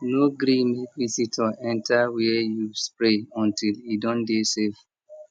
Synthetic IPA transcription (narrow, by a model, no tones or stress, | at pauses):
noɡɾĩmikvisitʰɔʔɛ̃ntʰawijuspɾeɔ̃ntilidɔ̃ndesef